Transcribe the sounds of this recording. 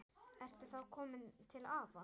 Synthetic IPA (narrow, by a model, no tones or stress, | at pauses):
ɛr̥t̪ʏθaðkʰɔːmɪnt̪ʰɪlaːva